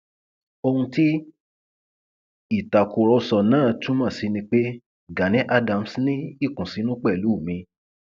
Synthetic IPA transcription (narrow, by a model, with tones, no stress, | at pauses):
o˧hũ˧ti˦ | i˦˨ta˨ko˨ɾɔ˧sɔ˨nãː˦˨tũ˦mã˦˨si˧nĩ˧k͡pe˦ | ɡa˨nĩ˨˦ʔa˦dã˧m˨snĩ˦i˦˨kũ˨si˨˧˦nũ˦k͡pɛ˦˨lu˨˦˨mĩ˧